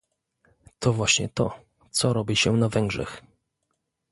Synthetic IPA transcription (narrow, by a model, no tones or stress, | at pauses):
t̪ʰɔvwaɕɲɛt̪ɔ | t̪sɔɾɔbʲiɕɛnavɛŋɡʐɛ̰x